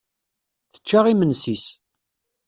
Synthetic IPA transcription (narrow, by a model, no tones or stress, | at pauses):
θə̥t͡ʃːaʁimənsis